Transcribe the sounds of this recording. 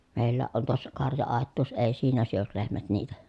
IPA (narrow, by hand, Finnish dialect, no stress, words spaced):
meˑilːæːʔ ʔon tuosːɑ kɑrjɑɑˑetːuːs eˑi siːnæ syøl lehmæt niːtæ